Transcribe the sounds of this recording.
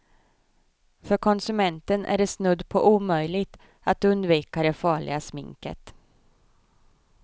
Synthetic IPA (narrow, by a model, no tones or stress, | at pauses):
fœɾkʰɔnsɵmɛnt̪ənʔæ̰ɖɛsnɵd̪ːpʰɔʔuːmœjlɪɡt̪ | at̪ɵnd̪viːkad̪ɛfɑːɭɪ̰ɡasmɪ̰ŋkə̰t̪